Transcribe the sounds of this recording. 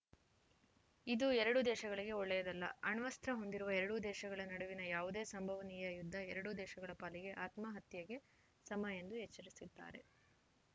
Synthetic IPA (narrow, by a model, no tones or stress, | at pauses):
id̪uɛɾɐɽud̪ɛːʃɐɡɐɭiɡe̞ɔɭːɛjɐd̪ɐlːɐɐɳʋɐst̪ɾɐɦo̞nd̪iɾuʋɐɛɾɐɽud̪ɛːʃɐɡɐɭɐnɐɽuʋinɐjaːʋud̪e̞ːsɐmbʱɐʋɐnijɐjud̪ʱːɐɛɾɐɽud̪ɛːʃɐɡɐɭɐpaːliɡe̞ʔaːt̪mɐɦɐt̪jɐɡe̞ | sɐmɐjend̪uɛt͡ʃːɐɾisid̪ːa̰ːɾe̞̰